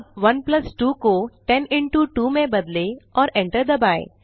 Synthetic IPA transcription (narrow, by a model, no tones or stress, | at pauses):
ʋɐnplɐsʈuːkoʈɛnɪ̃ɳʈuʈuːmẽbɐd̪leɔːɾɛ̃ɳʈəɾd̪əbaːḛ